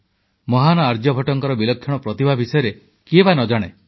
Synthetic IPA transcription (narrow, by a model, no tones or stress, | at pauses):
mɔɦanɔaɾd͡ʒjɔbʱɔʈɔŋkɔɾɔbilɔkʰːjɔɽ̃ɔpɾɔt̪ibʱabʱisɔjɔɾe | kiebʱanɔd͡ʒaɽ̃e